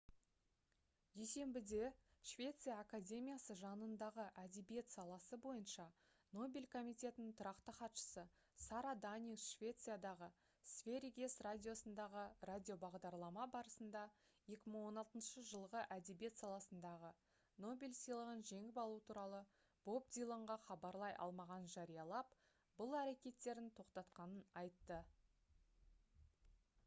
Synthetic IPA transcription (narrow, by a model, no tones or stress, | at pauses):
j̪ese̞mbɪd̪e̞ʃvʲe̞t̪sɨjaːkadʲe̞mʲijasəʒɑnənd̪ɑʁəʔæd̪e̞bije̞t̪sɑlˠɑsəbo̞jənʃɑ | no̞bʲilʲkʰo̞mijt̪ʲe̞t̪ɪnɪŋt̪ʰʊɾɑqt̪əχɑt̪ʃə̥sə | sɑɾad̪anʲiʃvʲe̞t̪sɨjad̪ɑʁə | svʲe̞ɾʲiɡʲe̞sradʲijo̞sənd̪ɑʁəradʲijo̞bɑʁd̪ɑɾlˠɑmɑbɑɾəsənd̪ɑje̞kʲɪməɴwo̞nɑlˠt̪ənʃəʒəlˠʁəʔæd̪e̞be̞t̪sɑlˠɑsənd̪ɑʁə | no̞bʲelʲsijlˠəʁənʒe̞ŋɪpɑlˠuwət̪ʰuɾɑlˠə | b̥o̞bd̪ijlˠoɴʁɑχɑbɑɾlˠɑjʔɑ̰lˠmɑʁɑnʒɑɾijɑlˠɑp | bʊlˠæɾe̞kʲe̞t̪ːe̞ɾɪnt̪ʰo̞qt̪ɑt̪qɑnənɑjt̪ːə